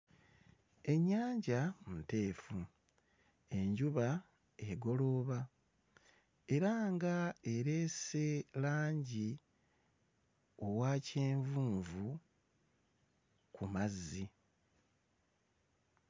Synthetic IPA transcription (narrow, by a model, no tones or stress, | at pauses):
e̞ɲːaːɲɟamute̞ːfu | e̞ɲɟuβa | eɡo̞lo̞βa | e̞ɾaŋɡae̞ɾe̞se̞laːɲɟi | o̞waːceːɱvuːɱvu | kumazːi